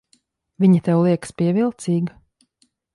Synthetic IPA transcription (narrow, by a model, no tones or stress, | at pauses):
vʲiɲat̪ɛwlˠiɛkspiɛvilˠt̪siːɡ